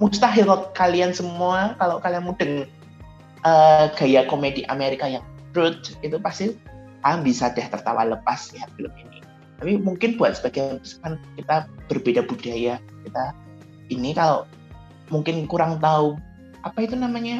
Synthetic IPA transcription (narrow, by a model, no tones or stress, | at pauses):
must̪aɦiɾɔt̪̚kaliansəmuakaloʔkalianmud̥əŋ | ʔəːɡ̥a̤jakomediʔa̰meɾikajaŋɾʊt̪̚it̪upast̪i | ambisad̥aht̪ərt̪a̰wa̰ləpasliɦat̪̚b̥ələmini | t̪apimuŋkɪnb̥uat̪̚səb̥aɡ̥aəbiskankit̪ab̥ərb̥edab̥ud̥aja | kit̪a | ʔinikaloʔ | muŋkɪnkuɾaŋt̪au | ʔapait̪unamaɲa